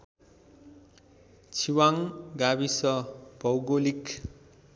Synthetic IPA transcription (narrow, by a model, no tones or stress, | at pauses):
t͡sʰiwaŋɡabisʌb̥ʌwɡolik